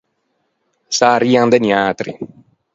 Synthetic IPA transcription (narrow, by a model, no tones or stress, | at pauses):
saɾiːand̪enjaːt̪ɾḭ